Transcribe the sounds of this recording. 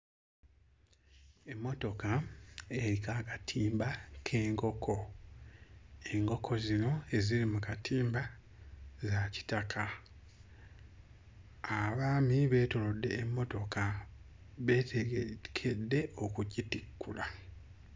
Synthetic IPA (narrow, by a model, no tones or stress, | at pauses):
e̞mːo̞to̞kae̞ɾikaːkatʰiːmbakʰe̞ːŋko̞kʰo̞ | e̞ŋko̞kʰo̞zino̞e̞ziɾimukatʰiːmba | zaci̥takʰa | aβaːmiβe̞ːto̞lo̞dːe̞̰ːmːo̞to̞ka | βe̞ːtekʰe̞dːe̞o̞kuɟitikːṵla